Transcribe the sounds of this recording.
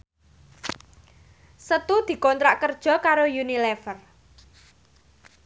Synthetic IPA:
sət̪ud̪̥i̤kɔnt̪ɾaʔkərd̥ʒ̥ɔ̤kaɾojunilɛfər

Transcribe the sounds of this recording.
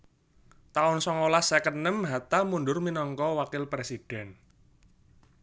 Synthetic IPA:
t̪aʊnsɔŋolasəkənəmɦat̪amunɖʊrminɔŋkɔwakɪlpɾesid̥ɛ̤n

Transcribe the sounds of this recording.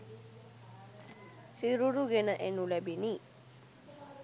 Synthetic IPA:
siɾuɾuɡenaʔenulɛbini

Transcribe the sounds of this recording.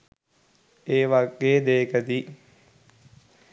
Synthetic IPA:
eːʋaɡeːd̪eːkəd̪i

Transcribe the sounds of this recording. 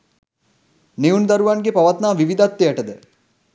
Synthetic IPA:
neund̪aɾuʋanɡepaʋat̪naːʋiʋid̪at̪ːeaʈəd̪ə

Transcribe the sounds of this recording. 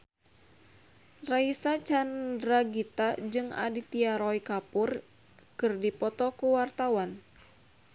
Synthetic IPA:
raisat͡ʃandɾaɡit̪ad͡ʒɨŋa̰dit̪iaɾɔikapur | kɨrdipɔt̪ɔkuwart̪awan

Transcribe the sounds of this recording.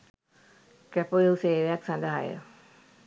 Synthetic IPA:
kɛpojeuseːʋejaksand̪aɦa̰jə̰

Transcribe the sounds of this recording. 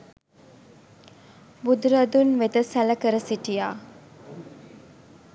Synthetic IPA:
bud̪ɾəd̪unʋed̪əsæləkəɾəsiʈijaː

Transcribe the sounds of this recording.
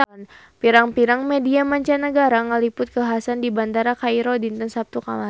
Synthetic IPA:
n | piɾaŋpiɾaŋmediamaɲt͡ʃanəɡaɾaŋəlipʊt̪̚kəaɦasandiband̪aɾakajɾɔdint̪ənsap̚t̪ukala

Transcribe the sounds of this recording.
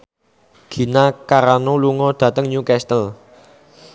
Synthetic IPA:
ɡ̥i̤nakaɾanoluŋɔd̪̥a̤t̪əŋɲukɛst̪əl

